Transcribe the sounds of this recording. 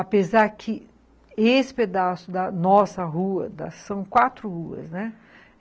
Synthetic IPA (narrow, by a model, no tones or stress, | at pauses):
apezaɾkʰɪ | esɪ̥ped̪asʊd̪ɐnɔsɐɦuɐd̪ɐ̰sɐ̃w̃kwat̪ɾʊhuɐ̰snɛ